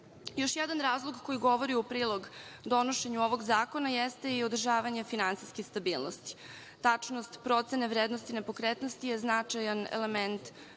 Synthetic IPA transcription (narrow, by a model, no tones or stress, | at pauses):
jo̞ʃjɛd̪anɾaːzlˠoɡko̞jiɡo̞ʋo̞ɾiupɾiːlˠo̞ɡd̪o̞noʃeɲuoʋo̞ɡzaːkonajɛst̪e̞iod̪r̩ʒaːʋaɲe̞finant̪siskexst̪abiːlˠnost̪i̥ | t̪at͡ʂnost̪pɾo̞t̪seneʋɾeːd̪nost̪ine̞po̞kɾet̪nost̪ije̞znat͡ʂajanḛlement̪